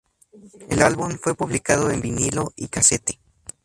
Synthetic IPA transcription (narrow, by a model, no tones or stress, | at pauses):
e̞̰lalβumfwe̞puβlikaðoembinilo̞ikaset̪e̥